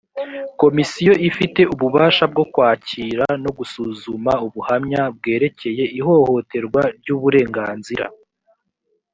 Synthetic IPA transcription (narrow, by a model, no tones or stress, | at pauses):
ko̞misijo̞ʔifite̞uβuβaːʃab̚ɡo̞kwaːciːɾano̞ɡusuzumauβuhamɲab̚ɡe̞ːɾe̞ce̞je̞ʔiɦo̞ho̞te̞ɾɡwaɾɟuːβuɾe̞ːŋɡaːnziɾa̰